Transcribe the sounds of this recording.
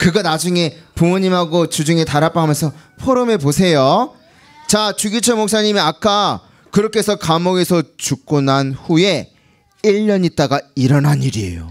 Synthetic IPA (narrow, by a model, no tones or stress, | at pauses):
kɯɡʌnad͡ʑuŋe̞pumoɲimɦaɡot͡ɕud͡ʑuŋe̞taɾap͈aɦamjʌnsʰʌ | pʰoɾome̞posʰe̞jo | t͡ɕat͡ɕuɡit͡ɕʰʌmok̚s͈aɲimiak͈a | kɯɾʌkʰe̞sʰʌkamoɡe̞sʰʌt͡ɕuk̚k͈onanɸuje̞ | iʎːʌɲit͈aɡaiɾʌnaɲiɾie̞̰jo̰